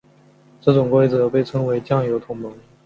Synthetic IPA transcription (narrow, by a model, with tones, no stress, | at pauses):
ʈ͡ʂɤ˥˩ʈ͡ʂʊ˨˩ŋkwe˥ɪd͡zɤ˨˩˦pe˥˩ɪʈ͡ʂʰɤ˥ŋwe˧˥ɪt͡ɕjɑ˥˩ŋjo˧˥ʊt̪ʰʊ˧˥ŋmɤ˧˥ŋ